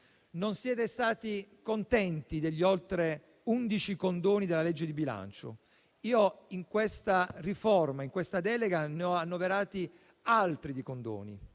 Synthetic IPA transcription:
nonsjɛːt̪est̪aːt̪ikont̪ɛnt̪id̪eʎːiolt̪ɾe | und̪it͡ʃikond̪oːnid̪elːaled͡ʒːed̪ibila̰nt͡ʃo̰ | iːɔiŋkwest̪arifɔrmaiŋkwest̪ad̪ɛːleɡaneɔanːoveɾaːt̪i | alt̪ɾid̪ikond̪o̰ːnḭ

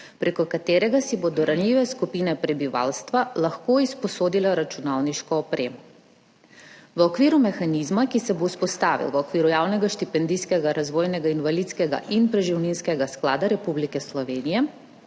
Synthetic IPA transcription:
pɾʔekɔkat̪eːɾɛɡasibod̪ɔɾanliːʋɛskupiːnɛpɾɛbiʋa̰lst̪ʋalaxkoːispɔsoːd̪ilɛɾat͡ʃunawniʃkɔːpɾeːmɔ | ʋɔkʋiːɾumɛxanizmakisɛbouspɔst̪aːʋḭlʋɔkʋiːɾujaːwnɛɡaʃt̪ipɛnd̪iskɛɡaɾazʋoːjnɛɡainʋalit̪skɛɡa̰ʔinpɾɛʒiwninskɛɡasklaːd̪aɾɛpublikɛslɔʋeːnijɛ

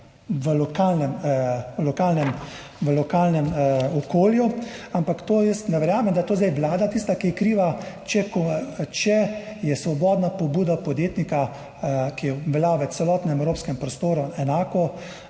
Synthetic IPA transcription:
ʋəlɔkaːlnɛmlɔkaːlnɛm | ʋəlɔkaːlnɛmɔkoːljuampakt̪oːjəst̪nɛʋɛɾjaːmɛmd̪ajɛt̪oːzd̪ajʋlaːd̪at̪iːst̪akikɾiːʋat͡ʃɛkɔt͡ʃɛjɛsʋɔbɔːd̪napɔbuːd̪apɔd̪jeːt̪nika | kijɛʋɛlaʋɛsɛlɔːt̪nɛɛmɛwɾoːpskɛmpɾɔst̪oːɾɔɛnaːkɔ

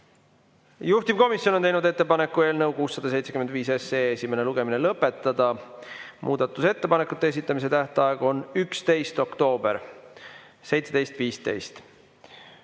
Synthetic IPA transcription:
juht̪ib̚ko̞misʲjono̞nt̪ejnud̪e̞t̪ːe̞pɑne̞kːˑue̞ːlnɤwkuːsːɑd̪̥ɑse̞jt̪se̞kymend̪viːse̞seːesʲime̞ne̞luɡ̥e̞minelɤpːˑe̞t̪ˑːɑd̪̥ɑ | mʔṵːd̪̥ɑt̪ːˑuse̞t̪ːe̞pɑnekːˑut̪ːˑees̬it̪ːˑɑmis̬e̞t̪æht̪ɑɑeɡ̥o̞nykst̪e̞jst̪o̞kt̪o̞ːb̥e̞ɾ | se̞jt̪se̞d̪̥e̞jst̪viːst̪e̞̰jst̪

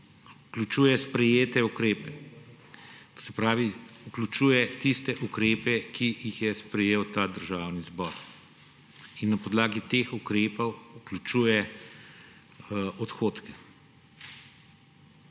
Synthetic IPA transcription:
uklʲut͡ʃuːjɛspɾɛjeːt̪ɛukɾeːpɛ | t̪o̥sɛpɾaːʋiuklʲut͡ʃuːjɛt̪ist̪ɛʔukɾeːpɛkʰijixjɛspɾɛjeːwt̪aːd̪əɾʒaːwnizbɔɾ | inːɐpɔd̪laːɡit̪eːxukɾeːpɔwuklʲut͡ʃuːjɛ | ɔt̪xoːt̪kɛ̥

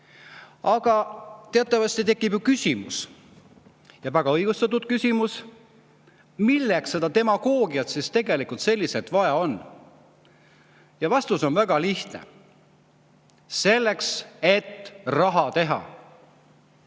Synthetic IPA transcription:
ɑɡ̥ɑt̪eɑt̪ːˑɑvɑst̪it̪e̞kːˑibjukysʲimṵs | jɑvæɡ̥ɑɤjɡ̥ust̪ɑt̪̬ːˑud̪̥̚kysʲimus | milːeksse̞d̪̥ɑt̪e̞mɑɡ̥o̞ːɡ̥iɑt̪sist̪e̞ɡ̥e̞likult̪se̞lʲːiset̪vɑjɑo̞n | jɑvɑst̪uso̞nvæɡ̥ɑliht̪nḛ | se̞lːe̞kse̞t̪ːrɑɦɑt̪e̞ɦɑ̰

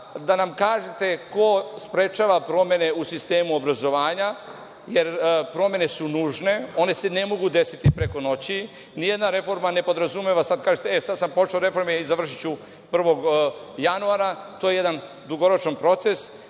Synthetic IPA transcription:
d̪anamkaːʒet̪e̞ko̞spɾe̞t͡ʃaːʋapɾo̞mje̞ne̞usist̪e̞ːmuobɾazo̞ʋaːɲa | jeɾpɾo̞mje̞ne̞sunuːʒne̞o̞ne̞se̞ne̞mo̞ɡud̪e̞sit̪ipɾe̞ko̞no̞t͡ɕi | nijed̪naɾe̞fo̞ɾmane̞po̞d̪ɾazumeʋasad̪̚kaːʒet̪eesad̪sampo̞t͡ʃeoɾe̞fo̞ɾmeizaʋr̩ʃ̬it͡ɕu | pr̩ʋo̞ɡ | januaɾat̪oje̞je̞d̪an | d̪uɡo̞ɾo̞t͡ʃanpɾo̞t̪se̞s

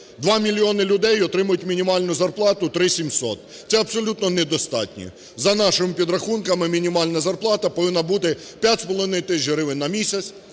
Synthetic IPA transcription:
d̪ʋɑmʲilʲiɔnɪlʲʊd̪ɛjɔt̪ɾɪmɐjʊtʲmʲinʲimɑlʲnʊzɐrplˠɑt̪ʊt̪ɾɪsʲimsɔt̪̚ | t̪sɛɐbsɔlʲut̪nɔnɛd̪ɔst̪ɑ̰tʲnʲḭ | zɐnɑʃɪmɪpʲid̪ɾɐxunkɐmɪmʲinʲimɑlʲnɐzɐrplˠɑt̪ɐpɔʋɪnːɐbut̪ɪ | pʲjatʲspɔlˠɔʋɪnɪjt̪ɪt͡ʃɾɪʋɪnːɐmʲisʲɐt͡sʲsʲ

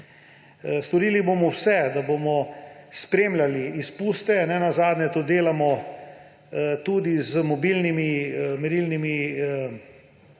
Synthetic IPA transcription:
st̪ɔɾiːlibomɔwsɛd̪abomɔspɾeːmlʲaliispuːst̪ɛnɛnazaːd̪nʲɛt̪ud̪eːlamɔ | t̪uːd̪izəmɔbilnimimɛɾilnimi

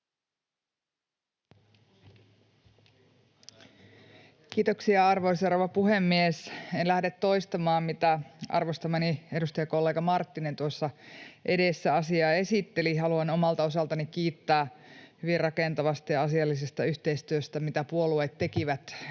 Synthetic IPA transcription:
kiːt̪o̞ksiɑɑrʋo̞jsɑroʋɑpuɦemːiesenlæhdet̪ːo̞jst̪ɑmɑːmmit̪æɑ̰rʋost̪ɑmænie̞dust̪ɑjɑko̞lːe̞ːɡɑmɑrt̪ːinent̪uosːɑʔe̞de̞sːæɑsiɑːe̞sit̪ːe̞liɦɑluɑno̞mɑlt̪ɑo̞sɑlt̪ɑnikiːt̪ːæːhyʋirrɑkent̪ɑʋɑst̪ɑjɑɑsiɑlːis̬e̞st̪ɑyçt̪eijst̪yøst̪æmit̪æpuo̞lueːt̪ːe̞kiʋæt̪

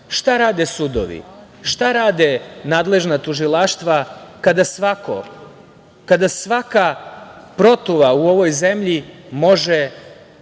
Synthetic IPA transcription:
ʃt̪aɾaːd̪esud̪o̰ʋḭ | ʃt̪aɾaːd̪enaːd̪le̞ʒnat̪uʒilaʃt̪ʋakad̪asʋako̰ | kad̪asʋakapɾo̞t̪uʋauo̞ʋo̞jze̞mʎimo̞ʒe

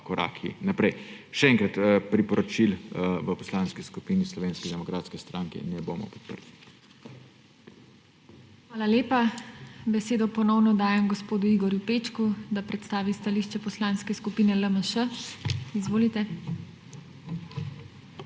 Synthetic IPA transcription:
kɔɾa̰ːkʰḭnapɾɛjʃɛɛŋkɾat̪pɾipɔɾɔt͡ʃilʋəpɔslaːnskiskupiːnislɔʋeːnskid̪ɛmɔkɾaːt̪skɛst̪ɾaŋkɛ̰nɛboːmɔ̰pɔ̥t̪̚pə̰ɾli | xʋaːlaljeːpabɛseːd̪ɔpɔnɔwnɔd̪aːjɛmɡɔspoːd̪uiɡɔɾjupeːt͡ʃkud̪apɾɛt̪st̪aːʋist̪aliʃt͡ʃɛpɔslaːnskɛskupiːnɛləməʃə | izʋoːlit̪ɛ

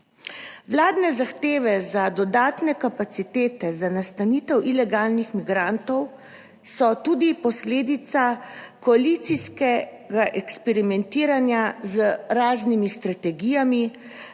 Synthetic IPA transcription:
wlaːd̪nɛzaxt̪eːʋɛzad̪ɔd̪aːt̪nɛkapat̪sit̪eːt̪ɛzanast̪aniːt̪ɛwʔilɛɡaːlnixmiɡɾant̪ɔw | sɔt̪ud̪ipɔsleːd̪it̪sakɔalit̪siskɛ | ɡaʔɛkspɛɾimɛnt̪iːɾanjazəɾaːznimist̪ɾat̪ɛɡiːjami

